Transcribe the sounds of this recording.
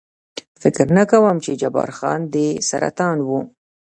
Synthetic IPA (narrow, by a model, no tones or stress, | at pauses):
fɪkɾnəkawəmt͡ʃed͡ʒabɑ̰ɾxɑ̰nd̪əsa̰ɾa̰t̪ɑnwu